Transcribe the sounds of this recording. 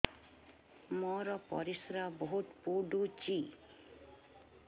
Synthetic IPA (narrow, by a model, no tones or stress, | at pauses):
mɔɾɔpɔ̰ɾisɾabɔɦut̪puɖut͡ʃi